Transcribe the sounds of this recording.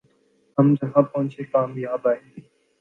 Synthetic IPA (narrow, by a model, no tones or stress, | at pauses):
ɦəmd͡ʒəɦãːpɔ̃ːnt͡ʃʰeːkaːmjaːbaːɦeː